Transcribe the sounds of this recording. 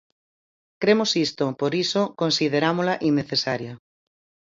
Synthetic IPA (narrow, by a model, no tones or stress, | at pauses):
kɾemosist̪opoɾisokonsið̞eɾamolaʔinːeθesaɾjɐ